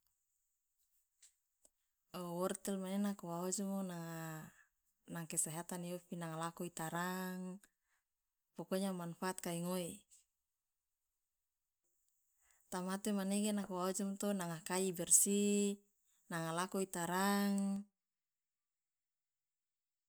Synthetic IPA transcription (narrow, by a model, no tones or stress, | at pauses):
owɔrt̪ɛlmanenakowaod͡ʒɔmonaŋa | naŋkesaɦat̪aniofinaŋalakuit̪aɾaŋ | pɔkoɲamanfaat̪̚kaiŋoi | t̪amat̪emaneɡenakowaod͡ʒɔmt̪onaŋakaibɛrsi | naŋalakoit̪aɾaŋ